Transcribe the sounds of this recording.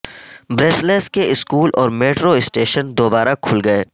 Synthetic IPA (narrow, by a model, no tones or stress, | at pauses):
bɾeːsleːskeɪskuːlʔɔːɾmeːʈɾoɪsʈeːʃənd̪oːbaːɾakʰʊlɡɐeː